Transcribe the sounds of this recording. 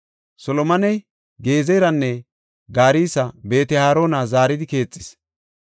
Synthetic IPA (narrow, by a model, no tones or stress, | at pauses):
sɔlɔmɐnɛj | ɡe̞ːzejɾɐnːɛ | ɡaːɾiːsɐbe̞ːt̪ɛhaːɾo̞ːnazaːɾɪd̪ɪke̞ːt͡sʼːɪ̥s